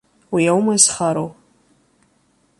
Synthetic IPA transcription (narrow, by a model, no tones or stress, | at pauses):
wiawmasχaɾow